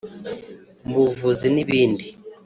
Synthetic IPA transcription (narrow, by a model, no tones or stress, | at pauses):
mbuvuziniβiːndi